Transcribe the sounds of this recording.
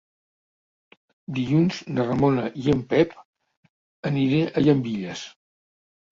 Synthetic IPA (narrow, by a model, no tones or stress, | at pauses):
d̪iʎunznərəmonəʔiempɛp | əniɾeʔəʎəmbiʎəs